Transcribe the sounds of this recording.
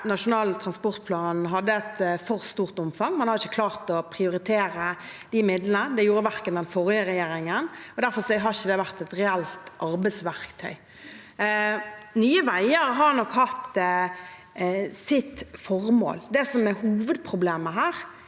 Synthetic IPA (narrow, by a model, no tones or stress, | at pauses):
nɑʂʊnɑːlt̪ʰɾɑnspɔʁt̪̚pʰlɑːnɦɑd̪ːəɛt̪fɔɾst̪uːʁt̪ʊmfɑŋmɑnhɑɾɪçːəkʰlɑːʁt̪ɔpʰɾɪʊɾɪt̪ʰeːɾəd̪ɪmɪd̪lənəd̪ɛjuːɾəʋæɾkənd̪ɛnfɔɾɪəɾɛjeːɾɪŋənɔd̪æɾfɔsɔɦɑɾɪçəd̪ɛʋæʁt̪ɛt̪ɾɛælt̪ʔɑɾbæɪsʋæʁkt̪ʰœ̰ʏ | nyːəʋæɪəɾɦɑɾnɔkhɑt̪ | sɪt̪fɔʁmo̰ːld̪ɛsɔmɛhuːʋəd̪pʰɾʊbleːməɦæːɾ